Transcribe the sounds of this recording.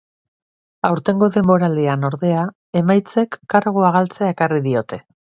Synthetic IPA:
awɾt̪e̞ŋɡo̞ðe̞mbo̞ɾald̪iano̞ɾðe̞a | e̞majt͡se̞kːaɾɣoaɣalt͡seae̞kariðio̞t̪e̞

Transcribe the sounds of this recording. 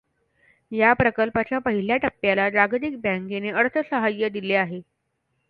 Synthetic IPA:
japɾəkəlpat͡ɕjapəɦiljaʈəpːjalad͡ʑaɡd̪ik̚baŋkeneəɽt̪ʰəsəɦajːəd̪ileaɦe

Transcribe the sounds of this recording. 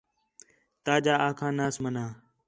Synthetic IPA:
t̪aːd͡ʒaːaːkʰãːnaːsmənãː

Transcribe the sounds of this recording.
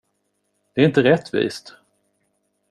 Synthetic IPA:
d̪̥ɛːɾɪnt̪əɾɛt̪ːvḭːst̪

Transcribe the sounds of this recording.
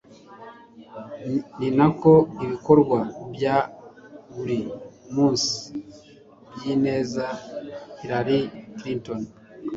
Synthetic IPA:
ninako̞iβiko̞ɾɡwabja | βuɾimuːsi̥ | bjiːne̞ːzahiɾaɾikɾinton

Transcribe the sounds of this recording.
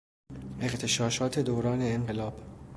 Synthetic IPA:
ʔe̞qt̪ʰe̞ʃɒːʃɒːt̪ʰe̞d̪oːɾɒːne̞ːɴɢelɒːb̥

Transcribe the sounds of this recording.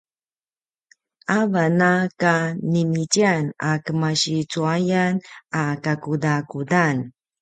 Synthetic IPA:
avanakanimit͡ɕianakəmaɕit͡suajanakakudakudan

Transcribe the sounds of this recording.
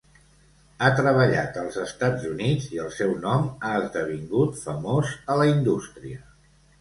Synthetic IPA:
at̪ɾəβ̞əʎat̪əlˠzəst̪ad͡zunid͡ziəlˠsɛwnɔmaəzd̪əβ̞iŋɡut̪fəmozələind̪ust̪ɾiə

